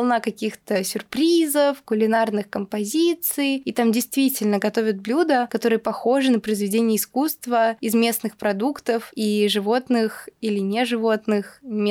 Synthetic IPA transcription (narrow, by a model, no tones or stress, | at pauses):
lˠnakɐkʲixt̪əsʲʊrpɾʲizəfkʊlʲɪnarnɨxkəmpɐzʲit̪sɨjit̪amdʲɪjst̪vʲitʲɪlʲnəɡɐt̪o̞vʲət̪̚blʲud̪əkɐt̪o̞ɾɨjəpɐxo̞ʐɨnəpɾəjɪzvʲɪdʲenʲɪjəɪskust̪vəɪzmʲesnɨxpɾɐd̪ukt̪əfiʐɨvo̞t̪nɨxilʲɪnʲeʐɨvo̞t̪nɨxmʲ